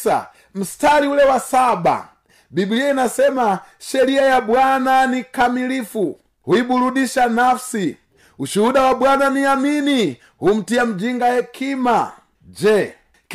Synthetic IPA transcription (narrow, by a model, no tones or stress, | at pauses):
a̰ | m̩staliulɛwasaɓa̰ | bibliainasɛmaʃɛɾiajaɓwananikamilifu | huiɓuluɗiʃanafsi | uʃuuɗawaɓwananiamini | hum̩tiam̩d͡ʒiŋɡajɛkʰima | d͡ʒɛ | k